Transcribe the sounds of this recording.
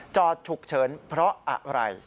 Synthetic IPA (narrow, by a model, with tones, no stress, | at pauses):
t͡ɕɔː˧˩t̪̚t͡ɕʰu˨˩k̚t͡ɕʰɤː˩˦npʰɾɔ˦˥ʔa̰˨˩ʔɾa̰˧j